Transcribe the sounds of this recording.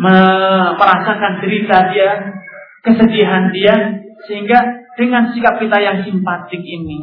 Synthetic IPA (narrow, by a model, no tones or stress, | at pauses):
məməɾasakandəɾit̪adia | kəsədiaɦandia | səɦiŋɡad̥əŋansikap̚kit̪ajaŋsimpat̪ɪk̚ini